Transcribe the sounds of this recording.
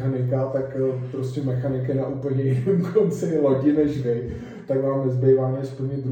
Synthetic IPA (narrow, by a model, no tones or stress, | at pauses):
xanɪkat̪akpɾoscʲɛmɛxanɪkɪnaʔuːpl̩ɲɛjɛnɛmkʰont͡sɪloɟɪnɛʒvɪ | t̪aɡvaːmvɪzbejvaːmɛspl̩ɲɛd̪ɾu